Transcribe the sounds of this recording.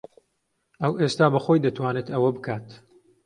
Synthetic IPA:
ɐwʔeːst̪aːbɐxo̞jd̪ɐt̪ʰwaːnet̪ɐwɐbɨkʰaːt̪

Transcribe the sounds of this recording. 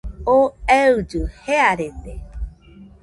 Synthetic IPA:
oeɨd͡ʒɨheaɾet̪e

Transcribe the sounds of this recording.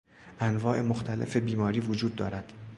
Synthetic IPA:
ʔænvɒːʔe̞moxt̪ʰælḛfe̞biːmɒːɾiːvod͡ʒuːd̪̚ːɒːɾæd̪̥

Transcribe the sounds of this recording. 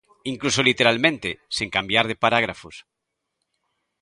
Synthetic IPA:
iŋklusolit̪eɾalmẽnt̪eseŋkambjaɾð̞epaɾaɣ̞ɾafos

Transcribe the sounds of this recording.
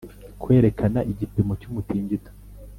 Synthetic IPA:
kwe̞ːɾe̞kʰanaʔiɟipimocumutiːɲɟito̥

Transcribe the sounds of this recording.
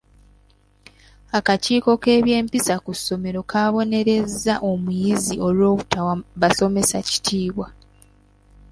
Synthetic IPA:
akaciːko̞ke̞ːβje̞ːmpisakusːo̞me̞ɾo̞kʰaːβo̞ne̞ɾe̞zːaʔo̞mujiziʔo̞lwo̞ːβutʰawaβaso̞me̞saci̥tʰiːβwa

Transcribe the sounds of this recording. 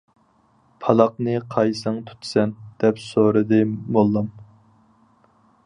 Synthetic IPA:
pʰɑlˠɑq̚nɨqʰɑjsɨŋt̪ʰu̥t̪ʰsɛnd̪̥ɛpsoɾɨd̪ɨmolˠːɑm

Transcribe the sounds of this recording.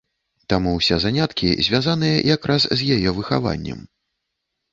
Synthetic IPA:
t̪amuwsʲɛzanʲat̪kʲḭzʲvʲazanɨjɐ̰jakɾʔaszʲjajɛvɨxa̰va̰nʲːɛ̰m

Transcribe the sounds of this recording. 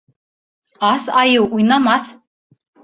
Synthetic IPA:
asajɨwujnamaθ

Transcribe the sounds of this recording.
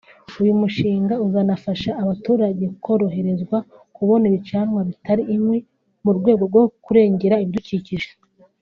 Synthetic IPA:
ujumuʃiːŋɡauzanafaʃaːβatuːɾaɟe̞kʰo̞ɾo̞ɦe̞ɾezɡwa | kuβo̞niβit͡ʃaːnŋwaβitaɾiʔːmwi | muɾɡwe̞ːɡo̞ɾɡokuɾe̞ːɲɟe̞ɾaiβiduciciʒe

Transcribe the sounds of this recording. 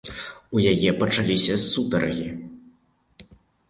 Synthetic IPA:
ujajɛpɐt͡ʂalʲisʲɐsud̪ɐɾɐ̰ɣʲi

